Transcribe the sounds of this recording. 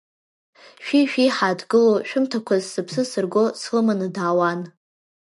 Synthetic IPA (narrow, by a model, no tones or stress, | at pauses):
ʃᶣiʃᶣiħadɡɨloʃᶣʊmtʰakʷʰazːɨpʰsɨsɨrɡʷosχɨmanɨdaːwan